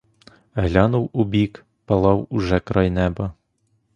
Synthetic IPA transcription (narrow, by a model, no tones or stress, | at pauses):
ɦlʲɑnʊwʊbʲik | pɐlˠɑwʊʒɛkɾɑjnɛbɐ